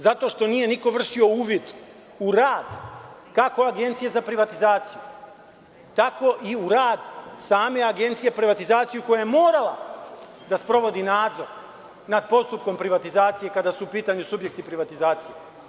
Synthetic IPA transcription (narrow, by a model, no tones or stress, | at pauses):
zat̪o̞ʃt̪o̞nije̞niko̞ʋr̩ʃio̞uːʋjid̪ | uɾaːd̪kako̞aɡe̞nt̪sije̞zapɾiʋat̪izaːt̪siju | t̪ako̞ʔiuɾaːd̪saːme̞aɡe̞nt̪sijepɾiʋat̪izaːt̪sijuko̞jajemoːɾala̰ | d̪aspɾo̞ʋo̞d̪inaːd̪zo̞ɾ | nad̪̚po̞st̪up̚ko̞mpɾiʋat̪izaːt̪sije̞kad̪asuːpiːt̪aɲusubje̞k̚t̪ipɾiʋat̪izaːt̪sije